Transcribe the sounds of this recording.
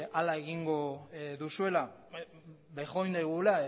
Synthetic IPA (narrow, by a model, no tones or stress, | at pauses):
alaeɣiŋɡo̞ðusue̞la | bajxo̞ind̪ajɣ̞ula